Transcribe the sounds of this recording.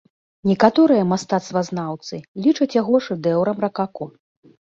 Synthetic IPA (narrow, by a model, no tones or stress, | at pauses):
nʲɛkat̪ɔɾɨjɐmast̪at̪st̪vɐznawt̪sɨlʲit͡ʂɐt͡sʲjaɣɔʐɨd̪ɛwɾɐmrɐkakɔ